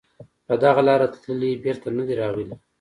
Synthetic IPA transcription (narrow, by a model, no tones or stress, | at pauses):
pəd̪aɣalɑɾat̪ləlibeɾt̪anad̪iɾɑɣili